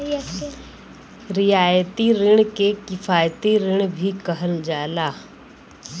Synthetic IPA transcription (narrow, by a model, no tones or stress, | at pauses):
ɾɪjaːjət̪iɾɪɽ̃kekɪfʰaːjt̪iɾɪɽ̃bʱikɐɦəld͡ʒaːlaː